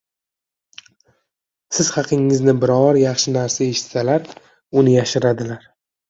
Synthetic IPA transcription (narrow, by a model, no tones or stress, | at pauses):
sɪz̥hɑqʰɨŋːɪznɪbɪɾɒɾjɑχʃɪnaɾsae̞ʃɪ̥t̪salaɾ | ʊnɪjaʃɪɾad̪ɪlaɾ